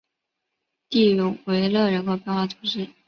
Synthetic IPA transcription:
t̪i˥˩ɻʊ˧˥ŋwe˧˥ɪlɤ˥˩ɻə˧˥nkʰo˧˥ʊpjɛ˥˧nxwa˥˩t͡sʰʊ˧˥ŋʂɻ̩˥˩

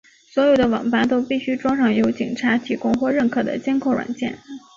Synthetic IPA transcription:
swɔ˧˥jo˨˩ʊd̪ə˦wɑ̰˨˩ŋpa˥˩t̪o˥ʊpi˥˩ɕy˥ʈ͡ʂwɑ˥ŋʂɑ˥˩ŋjo˧˥ʊt͡ɕi˨˩ŋʈ͡ʂʰa˧˥t̪ʰi˨˧˥kʊ˥ŋxwɔ˥˧ɻə˥˩nkʰɤ˨˩d̪ə̰˦t͡ɕjɛ˥nkʰo˥ʊɻwa̰˨˩nt͡ɕjɛ̰˥˩n

